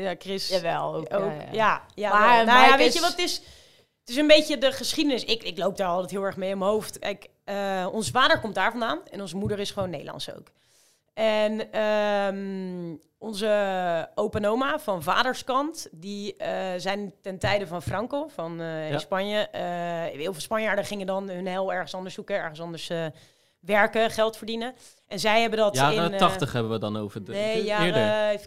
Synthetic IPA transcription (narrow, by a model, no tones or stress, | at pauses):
jakrɪsaɛlˠoowkjajanajaʋeəʋɑtɪs | ətɪs̬ənbejcədəχəsχidənɪsɪkɪklowp̚daːɹɑlˠtɛtɦɪːlˠɛɹχmejɔmənɦowftkɛ̰jk | əɔnsəvaːdəɹkɔmt̚daːɹvɑndaːnɛnɔnzəmudəɹɪsχəʋownːḛjdəlɑ̰ntso̰wk | ʔɛnəm | ɔnzəowpanowmaːvɑnva̰ːdəɹskɑntdizɛjntɛntɛjdəvɑnfrɑŋkowvɑnspɑɲjə | ɦɪːlˠvɪlˠspɑnjaːdəχɪŋədɑnɦɵnɦɛlˠɛɹχənsɑndəɹsukəɛɹχənsɑndəɹs | ʋɛɹkəχɛlˠtfəɹdinə | ʔɛnzɛjɦɛbəndɑtɪɑχəχɦɛbəʋədɑnowvənea